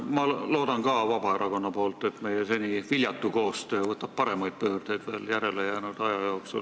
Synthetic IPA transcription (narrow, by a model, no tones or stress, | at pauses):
mɑlo̞ːd̪̥ɑnkɑːvɑb̥ɑe̞ɾʔɑko̞nːɑpo̞ːlt̪ːˑe̞t̪me̞jese̞nʲivilʲjɑt̪ːuko̞ːst̪øːvɤt̪ːˑɑb̥̚pɑɾe̞mɑjd̪̥̚pø̞ːrd̪̥e̞jd̪̥ve̞ːljæɾe̞lejæːnud̪̥ɑjɑjoːksṵl